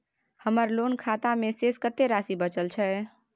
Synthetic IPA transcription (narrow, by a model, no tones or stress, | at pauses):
həməɾlonkʰat̪ameseskət̪eɾasibət͡ʃəlt͡ʃʰɛ